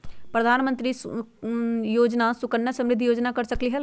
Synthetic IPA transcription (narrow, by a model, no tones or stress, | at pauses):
pɾəd̪ʱaːnmənt̪ɾiː | joːd͡ʒnasʊkəɳːjasə̃mɾɪd̪ʱjoːd͡ʒnakəɾsəkliɦəl